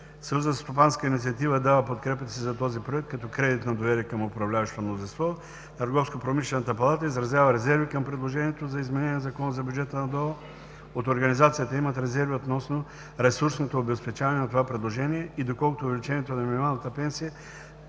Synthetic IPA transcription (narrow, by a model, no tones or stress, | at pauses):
sɐjuzəst̪opanskəinit̪siɐt̪ivəd̪avəpot̪̚kɾɛpət̪sizɐt̪ɔzipɾoɛk̚t̪̚kɐt̪ɔkɾɛd̪it̪nɐd̪ovɛɾiəkəmopɾɐvlʲavɐʃt̪omnozinst̪vɔ | t̪ɐɾɡɔfskopɾomislʲɛnɐt̪əpɐlˠat̪əizɾɐzjavəɾɛzɛɾvikɐmpɾɛd̪lˠoʒɛniɛt̪ozɐizmɛnɛniɛzɐkɔnəzɐbʲjud͡ʒɛt̪ənɐd̪ɔlˠə | ot̪oɾɡɐnizat̪sijət̪əimɐt̪ɾɛzɛɾviot̪nɔsno | ɾɛsuɾsnot̪oːbɛspɛt͡ʃavɐnɛnɐt̪ovapɾɛd̪lˠoʒɛniɛid̪okɔlˠkʊt̪oʊːvɛlit͡ʃɛniɛt̪onɐminʲmalˠnɐt̪əpɛnsijə